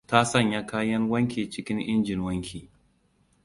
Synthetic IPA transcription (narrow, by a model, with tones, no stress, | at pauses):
ta˦sɐ˦˨ɲja˦kaː˦jɐ˦ŋwɐ˦ŋkʲeː˨t͡ʃɪ˦kʲɪ˦ŋʔɪ˦nd͡ʒɪ˨nwɐ˦ŋkʲʰiː˨